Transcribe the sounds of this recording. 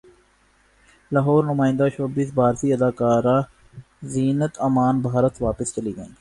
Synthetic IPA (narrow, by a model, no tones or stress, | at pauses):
laɦɔːɾnʊmaːɪ̃nd̪at͡ʃoːbiːsbaːɾsiɐd̪aːkaːɾaː | ziːnət̪ɐmaːnbʱaːɾət̪ʋaːpəst͡ʃɐliɡɐḭ̃ːi